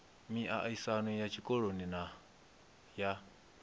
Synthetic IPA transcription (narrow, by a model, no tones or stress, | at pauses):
miʔa̰ʔaisanũjat͡ʃʰikɔɺonina | ja